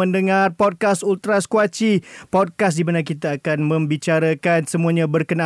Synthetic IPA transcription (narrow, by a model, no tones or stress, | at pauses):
ə̃ndəŋãrpɔd̚kasult̪ɾaskwat͡ʃipɔd̚kasdimanakit̪aːkanmə̃mbit͡ʃaɾakansəmũaɲãbərkəna